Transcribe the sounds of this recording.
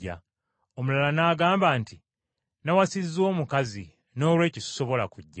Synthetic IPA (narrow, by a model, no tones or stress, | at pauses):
a̰ | omulalanaːɡaːmbaːnti | nawasizːoːmukazḭ | no̞ːlwe̞ːcisso̞βo̞la̰kuɟːa